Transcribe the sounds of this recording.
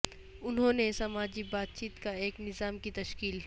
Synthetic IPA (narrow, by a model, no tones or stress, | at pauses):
ʊnɦõnesɐmaːd͡ʒibaːt̪̚t͡ʃiːt̪kaeːknɪzaːmkit̪ɐʃkiːl